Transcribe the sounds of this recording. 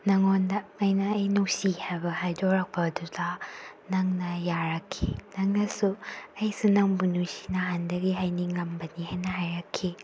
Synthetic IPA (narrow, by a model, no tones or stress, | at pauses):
nɐŋondɐːjnɐːjnowsihajbɐhajdɔɾɐk̚pʰɐdudɐnɐŋnɐjaɾɐkʰːḭnɐŋnɐsuɐjsunɐŋbunusi̥nɐɦandɐɡiɦajniŋlɐmbɐnihajnɐɦajɾɐkʰːi